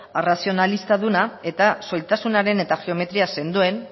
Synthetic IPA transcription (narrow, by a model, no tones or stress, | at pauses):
rasio̞nalist̪aðunae̞t̪aso̞jt̪asunaɾe̞ne̞t̪aɣeo̞me̞t̪ɾiase̞nd̪ue̞n